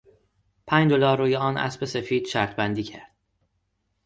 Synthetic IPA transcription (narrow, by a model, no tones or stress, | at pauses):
pʰæɲd͡ʒd̪olɒːɾːuːjeɒːnʔæ̰sbe̞se̞fiːd̪̥ʃæɾt̪ʰbænd̪iːcʰæ̰ɾd̪̥